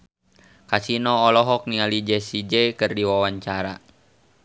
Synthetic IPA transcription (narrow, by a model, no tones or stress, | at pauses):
kasinɔːlɔɦɔk̚nialid͡ʒɛsid͡ʒɛkɨrdiwawaɲt͡ʃaɾa